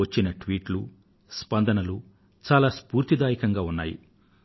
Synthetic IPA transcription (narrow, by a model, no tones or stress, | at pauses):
ɐt͡ʃːinɐʈʋiːʈlu | spɐnd̪ɐnɐlu | t͡ʃaːlaːspuːɾt̪id̪aːjikɐŋɡaːunːa̰ːjḭ